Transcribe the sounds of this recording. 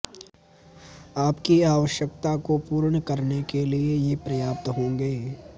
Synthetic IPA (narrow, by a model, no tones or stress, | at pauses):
aːpkiaːʋəʃjək̚t̪akopuːɾɳəkɐɾnekeliejepɾɐjaːp̚t̪ɦõːɡeː